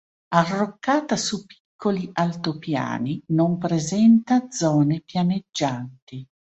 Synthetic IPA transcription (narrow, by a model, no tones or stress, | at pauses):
arːokːaːt̪asupi̥kʰːoliʔalt̪opja̰ːninompɾezɛnt̪ad̪zɔːnepjaned͡ʒːant̪i